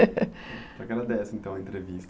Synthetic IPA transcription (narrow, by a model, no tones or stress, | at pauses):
akɡɾad̪ɛsɪẽnt̪ɐ̃w̃ɐẽnt̪ɾevist̪